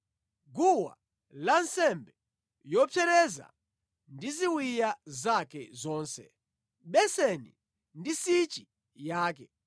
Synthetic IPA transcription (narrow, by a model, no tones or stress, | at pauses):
ɡuwa̰ | lansɛmbɛ | jɔpʰɛɾɛza̰ | ndiziwijazakɛzɔːnsɛ̰ | ɓɛsɛnḭ | ndisit͡ʃi | jaːkɛ